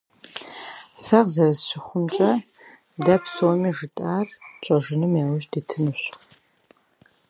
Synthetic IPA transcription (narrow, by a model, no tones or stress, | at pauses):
saʁzɐrɐzɕɪχʷʊnt͡ʃʼɐ | dɐpsomiːʒɨtʼaːrt͡ʃʼɐʒɪnɨmjaːwʊʒdiːtʰɨnɨɕ